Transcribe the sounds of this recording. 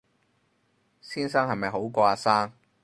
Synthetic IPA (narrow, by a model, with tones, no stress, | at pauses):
siː˥nsɐ˥ŋɦɐ˨jmɐ˨jɦo˨˥wkɔː˧aː˧saː˥ŋ